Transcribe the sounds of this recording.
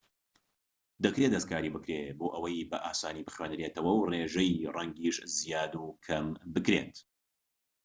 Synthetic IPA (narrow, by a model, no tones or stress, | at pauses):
d̪ɐkɾed̪ɐskʰaːɾiːbɨkɾeboːʔɐwɐjbɐʔaːsaːniːbɨχweːnɾeːt̪ɐwɐwreːʒɐjrɐŋɡiʃzijaːd̪ukʰɐmbɨkɾḛnt̪